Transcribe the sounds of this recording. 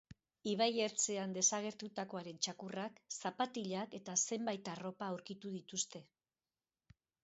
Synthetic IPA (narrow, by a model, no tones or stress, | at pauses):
iβ̞aje̞ɾt͡se̞and̪e̞saɣ̞e̞ɾt̪ut̪ako̞aɾe̞nt͡ʃakuraksapat̪iʎake̞t̪ase̞mbajt̪aro̞paːwɾkit̪uðit̪ust̪e̞